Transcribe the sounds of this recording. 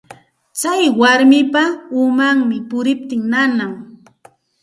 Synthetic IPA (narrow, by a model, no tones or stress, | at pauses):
t͡sajwaɾmɪpaʊmaŋmɪpʊɾɪp̚t̪ɪŋnanaŋ